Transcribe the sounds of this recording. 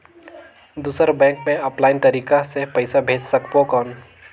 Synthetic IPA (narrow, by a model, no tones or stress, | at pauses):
d̪uːsəɾbɛ̃ːŋkmẽəplaːɪnt̪ɐɾiːkasepɐɪsabʱeːd͡ʒsɐkpokɔːn